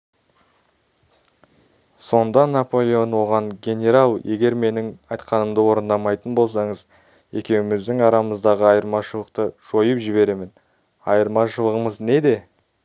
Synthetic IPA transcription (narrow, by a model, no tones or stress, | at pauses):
so̞nd̪ɑnapo̞lʲˠeonwo̞ʁɑɴɡʲe̞nʲe̞ɾɑlˠje̞ɡʲe̞ɾme̞nɪŋɑjt̪qɑnəmd̪əwo̞ɾənd̪ɑmɑjt̪ənbolˠsɑɴəz | je̞kʲe̞wɪmɪzd̪ɪŋɑɾɑməzd̪ɑʁəɑjəɾmɑʃəlˠəq̚t̪əʒ̥o̞jəpʒɪβe̞ɾe̞mɪn | ɑjəɾmɑʃəlˠəʁəməzne̞d̪e̞